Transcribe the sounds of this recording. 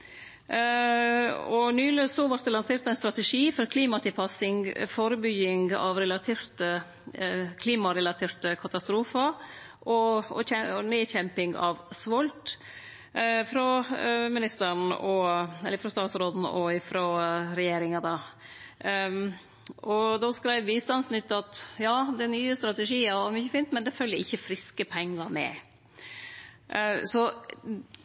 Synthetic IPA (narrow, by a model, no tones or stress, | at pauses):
ɔnyːløːsɔʋɑɾt̪̚d̪ɛlɑnseːɾt̪æɪnst̪ɾɑt̪ɛʂiːfɔɾkʰliːmɑt̪ʰɪlpʰɑsɪŋfoːɾəbʏɡɪŋɡɑ̰ʋɾɛlɑt̪ʰeːɾt̪ə | kʰliːmɑɾɛlɑt̪ʰeːɾt̪əkʰɑt̪ɑst̪ɾuːfəɾʔɔɔ̰ɛneːçɛmpɪŋɡɑ̰ʋsʋɔlt̪ | fɾɔmɪnɪst̪əɳɔɛlːəɾfɾɔst̪ɑːt̪sɾoːd̪n̩ɔɪfɾɔɾɛjeːɾɪŋɑd̪ɑ | ʔɔd̪ɔskɾæɪʋʋiːst̪ɑnsnʏt̪ːəɑt̪jɑːd̪ɛnyːəst̪ɾɑt̪ɛʂiːɑɔmʏçəfiːnt̪mɛnd̪ɛfœlːəʔɪçːəfɾɪskəpʰɛŋːɑɾmɛ̰ | sɔ